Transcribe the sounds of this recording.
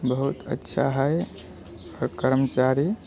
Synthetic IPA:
bəɦut̪ə̰tːʃʰa̰ɦəj | ɔɾkəɾmət͡ʃaɾi

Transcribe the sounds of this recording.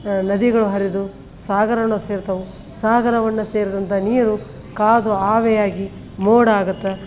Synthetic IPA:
nɐd̪iɡɐɭuɦɐɾid̪u | saːɡɐɾɐɳɐseːɾt̪ɐʋu | saːɡɐɾɐʋɐnːɐseːɾud̪ɐnt̪ʰɐniːɾu | kaːd̪uaːʋɛjaːɡi | moːɽaːɡut̪ːɐ

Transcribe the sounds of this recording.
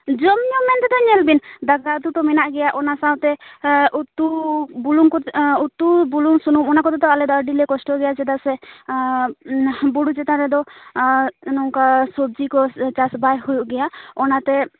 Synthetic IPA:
d͡ʒɔmɲɔmɛnt̪ɛd̪ɔɲɛlbind̪aɡat̪ut̪ɔmɛnaʔɡɛjaʔɔnasawt̪ɛʔut̪ːubuluŋkɔut̪ːubuluŋsunumɔnakɔt̪ɛd̪ɔalɛd̪əɾɖilɛkɔsʈɔɡɛjad͡ʒɛd̪asɛ | buɽud͡ʒɛt̪aɾɛd̪ɔ | nɔŋkasɔb̚d͡ʒikɔt͡ʃasbajhujuʔɡɛjaɔnat̪ɛ

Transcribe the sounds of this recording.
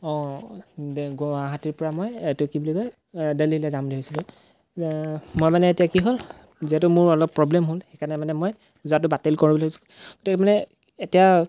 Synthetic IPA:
ɔ̃ | ɡaɦatiɹpɔɹamɔjetʊkibulikɔj | delilɛzamliɦojsilʊ̃ | mojmanɛːtijakiɦol | ziɦɛtʊmʊɹɔlɔpːɹɔblɛmɦolxekanɛmanɛmoj | zuat̬ʊbatelkoɹibɔlasu̥ | ɡ̥otikɛmanɛ | etija

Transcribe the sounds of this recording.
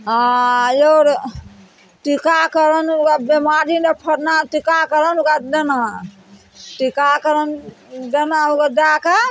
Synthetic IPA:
ajoɾ | ʈikakəɾənukabemaɾinepʰəɾnat̪ikakəɾənukadəna | tikakəɾəndənaukadaka

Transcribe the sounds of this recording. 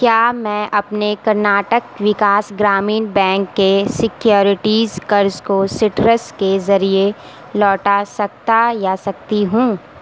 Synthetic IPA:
kjaːmɛ̃ʔɐpnekɐɾnaːʈək̚ʋɪkaːsɡɾaːmiːnbɛ̃ːŋkːesɪkjoːɾɪʈiːzkɐɾzkosɪʈɾəskezɐɾie | lɔːʈasɐk̚t̪ajasɐk̚t̪iɦũː

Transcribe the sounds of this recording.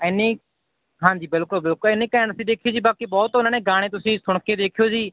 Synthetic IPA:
ɪnẽː | ɦãːɲd͡ʒiːbɪlkʊlbɪlkʊlɪneːkəənsĩːd̪eːkʰijoːd͡ʒiːbaːkiːbɔːt̪ʊnaːneːɡaːɽ̃eːt̪ʊsĩːsʊɳkeːd̪eːkʰijoːd͡ʒiː

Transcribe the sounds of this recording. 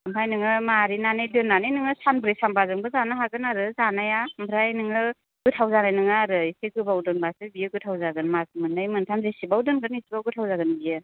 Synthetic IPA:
mbʰajnɯŋɯmaɾinanɯjdɯnːanɯjnɯŋɯsanbɯɾesambazɯŋbɯzanaɦaɡɯnaɾɯzanajambʰʱɾajnɯŋɯ | ɡɯtʰawzanajnɯŋɯaɾɯisekɯbawdɯnbasɯbijɯɡɯtʰawzaɡɯnmasmɯnːajmɯntʰanzesibawdɯnɡɯnisibawɡɯtʰawzaɡɯnbijɯ

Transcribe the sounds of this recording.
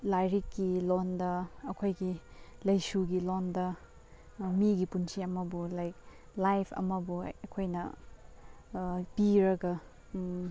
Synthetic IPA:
lajɾikːilondɐːkʰojɡilɐjsuɡilondɐ | miɡipunsiɐmɐbulajk̚lajpʰɐ̰mɐbṵɐkʰojnɐ̰ | piɾɐɡɐ

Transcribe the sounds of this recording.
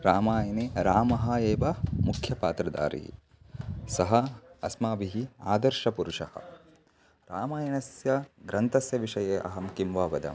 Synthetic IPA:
ɾaːmaːjɐneːɾaːmɐɦɐeːʋɐmukʰjɐpaːt̪ɾɐd̪a̰ːɾḭɦḭ | sɐɦɐɐsmaːbiɦia̰ːd̪ɐɾʃɐpuɾuʂɐhɐ̰ | ɾaːmaːjɐnɐsjɐɡɾɐnt̪ɐsjɐʋiʂɐjeːʔɐɦɐmkimʋaːʋɐd̪ɐ̰m

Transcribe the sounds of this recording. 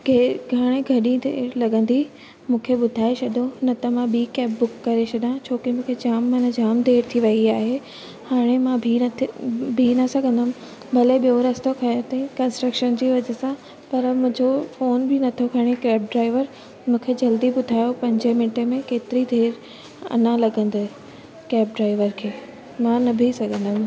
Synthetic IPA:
ɡʱeɡʱaːɽ̃ẽɡʱɐɗĩd̪ʱeːɾlɐɠə̃nd̪i | mũːkʰeɓʊd̪ʱaːet͡ɕʰɐɗonɐt̪ɐmãɓiːkɛːpbʊkːɐɾet͡ɕʰɐɗãt͡ɕʰoːkimũːkʰed͡ʑaːmːãnɐd͡ʑaːmd̪ʱeːɾt̪ʰiʋɐiaːɦe | haːɽ̃emãbʱi | bʱinɐsɐɡʱə̃nd̪əm | bʱɐleɓijoɾɐst̪okʰɐ̃t̪ɐ̃kɐ̃nsʈɾəkʃənd͡ʑiːʋɐd͡ʑəsã | pɐɾmʊ̃ɦɪ̃d͡ʑofoːnbʱɪnɐt̪ʰokʰɐɽ̃ekɛːp̚ɖɾaːɪʋəɾ | mũːkʰed͡ʑɐld̪ibʊd̪ʱaːjopɐ̃ɲd͡ʑəmɪʈemẽkeːt̪ɪɾid̪ʱeːɾ | ɐ̰nãlɐɡə̃nd̪e | kɛːp̚ɖɾaːɪʋəɾkʰeː | mãnɐbʱisɐɡʱə̃nd̪əm

